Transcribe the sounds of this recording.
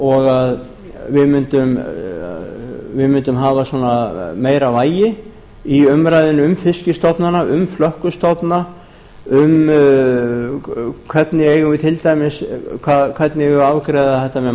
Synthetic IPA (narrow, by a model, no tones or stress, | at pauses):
ɔɣað | vɪðmʏnt̪ʏm | vɪðmʏnt̪ʏmɦaːvasɔːnameːjɾavaːjɪ | iʏmɾajðɪnʏmfɪscɪst̪ɔpnanaʔʏmflœhkʏst̪ɔpna | ʏm | kʰvɛt̪nɪejɣʏvɪt̪ʰɪlt̪aːjmɪskʰakʰvɛt̪nɪɣɪaːwkɾejðaθɛht̪amɛ